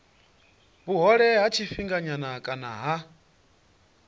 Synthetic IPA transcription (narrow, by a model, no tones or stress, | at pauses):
buɦɔɺɛɦat͡ʃʰifiŋɡaɲanakʼana̰ɦa